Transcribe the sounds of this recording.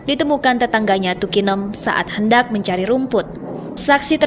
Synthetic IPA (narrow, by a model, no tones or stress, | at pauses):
dit̪əmukant̪ət̪aŋɡaɲat̪ukinəmsa̰ʔa̰t̪̚həndak̚məɲt͡ʃaɾiɾumpʊt̪̚ | saksit̪ə